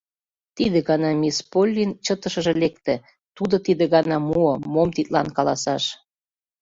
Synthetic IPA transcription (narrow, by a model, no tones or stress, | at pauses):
t̪id̪ĕɣɑnɑmʲispolʲːint͡ɕət̪ə̆ʃə̆ʒĕlekt̪ĕ | t̪ud̪ŏt̪id̪ĕɣɑnɑmuɤmomt̪it̪̚lɑnkɑlɑsɑʃ